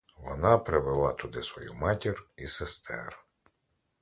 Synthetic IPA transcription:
ʋɔnɑpɾeʋelˠɑt̪ʊd̪ɪsʋɔjṵmɑtʲirisest̪ʰɛ̰ɾ

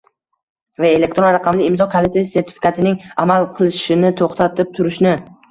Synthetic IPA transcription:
vae̞lek̚t̪ɾonɾaqʰɑmlɪɪmzɒkʰolet̪ːjse̞ɾt̪ʰɪ̥fi̥kʰat̪ʰɪnɪŋamalˠqʰɨlˠɪʃɪnɪt̪ʰoχt̪ʰat̪ʰɪp̚t̪ʰʊɾɪʃnɪ

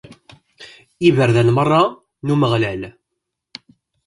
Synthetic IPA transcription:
ivəɾðænmərˤːɑ | numəʁlæl

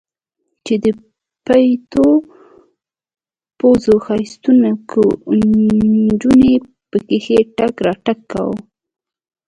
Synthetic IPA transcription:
t͡ʃed̪ə | pajt̪o | pozoxajst̪unakʰə | d͡ʒune | pəkexeʈakɾɑʈakːa̰w̰

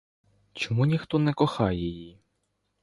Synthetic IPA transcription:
t͡ʃɔmunʲixt̪ɔnɛkɔxɑjɛji

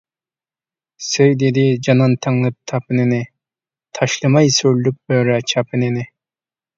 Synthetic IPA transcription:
sejd̪ed̪ɪd͡ʒɑnɑnt̪ʰɑŋlˠɨp̚t̪ʰɑpɨnɪnɪ | t̪ʰɑʃlˠɨmɑjsøɾlyp̚bøɾɛt͡ʃʰɑpʰɪnɪnɪ

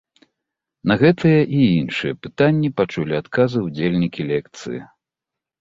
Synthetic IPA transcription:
nɐɣɛt̪ɨjɐʔiinʂɨjɛpɨt̪anʲːipat͡ʂulʲiat̪kazɨwd͡zʲelʲnʲikʲilʲɛk̚t̪sɨ̰jḭ

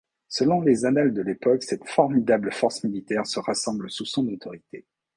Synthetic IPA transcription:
səlɔ̃lezanald̪əlepɔksɛt̪fɔʁmid̪abləfɔʁsmilit̪ɛʁsəʁasɑ̃blsusɔ̃not̪ɔʁit̪e

